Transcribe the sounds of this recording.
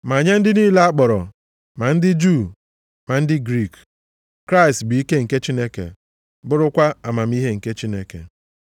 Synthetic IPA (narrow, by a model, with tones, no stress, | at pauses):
ma˨ɲa˦n̩˦dɪ˦niː˦la˦a˦k͡pɔ˨ɾɔ̰˨ | ma˨n̩˦dɪ˦d͡ʒu˦˨ | ma˨n̩˦dɪ˦ɡɾi˦˨k | kɾa˦ɪ˨stbɪ˨i˦ke˦ŋ̩˨ke˦t͡ʃi˦ne˦kḛ˨ | bʊ˦ɾʊ˦kʷa˦a˨ma˨m̩˦i˦ɦe˦ŋ̩˨ke˦t͡ʃi˦ne˦kḛ˨